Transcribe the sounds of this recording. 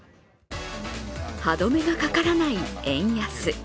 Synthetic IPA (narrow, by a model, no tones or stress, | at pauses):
had̪o̞me̞ɡakakaɾanaiẽ̞ɰ̃jasɨ